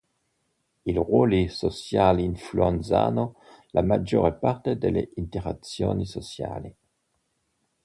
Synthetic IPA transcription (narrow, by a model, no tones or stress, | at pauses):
ilʁwolisosjaliinfluent̪sa̰ːnolamad͡ʒoːɾepart̪ed̪elːeint̪eʁat̪sjoːnisosja̰ːli